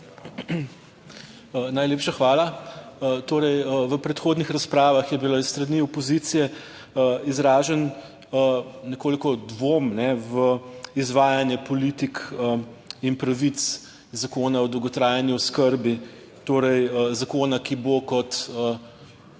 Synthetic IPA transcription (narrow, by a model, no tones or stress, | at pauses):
najleːpʃaxʋaːla | t̪oːɾɛjəʋəpɾɛt̪xoːd̪nixɾaspɾaːʋaxjɛbilaisst̪ɾɐniːɔpɔzit̪sijɛ | izɾaːʒɛn | ənɛkoːlikɔd̪ʋoːmnɛʋəizʋaːjanjɛpɔlit̪ikəinpɾɐʋit̪s | zakoːnaɔd̪ɔwɡɔt̪ɾaːjanjuɔskəɾbi | t̪oːɾɛjəzakoːnakibokɔt̪ə